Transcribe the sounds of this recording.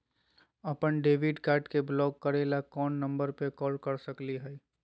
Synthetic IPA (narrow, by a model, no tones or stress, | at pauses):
əpənɖeʋiɖkaɾɖkeblɔɡ̚kːəɾelakɔnːəmbəɾpekɔlkəɾsəkliɦəj